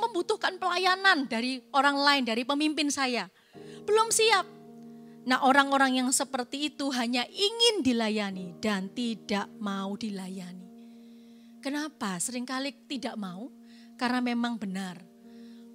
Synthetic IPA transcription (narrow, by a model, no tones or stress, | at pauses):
məmbut̪ʊhkanpəlajanandaɾioɾaŋlaɪndaɾipəmimpɪnsaja | b̥əlʊmsiap̚nahʔoɾaŋoɾaŋjaŋsəpərt̪iːt̪uɦaɲaʔiŋɪndilajanid̥ant̪idaʔmaud̥ilajani | kənapasəɾɪŋkalɪt̪idaʔmau | karnamemaŋbənar